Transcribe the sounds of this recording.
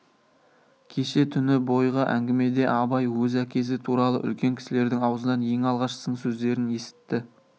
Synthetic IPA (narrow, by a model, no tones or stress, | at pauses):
kʲʰe̞ʃe̞t̪ʰʏnɪbo̞jʁɑʔæ̰ŋɡʲɪme̞d̪e̞ʔɑbɑjwɵzækʲe̞s̬ɪt̪ʰuɾɑlˠə̰ʔʏ̰lkʲe̞ŋkʲʰɪ̥sɪle̞ɾd̪ɪŋɑwəzənɑnje̞ŋɑlˠʁɑʃə̥səɴsɵzd̪e̞ɾɪne̞sɪ̥t̪ːɪ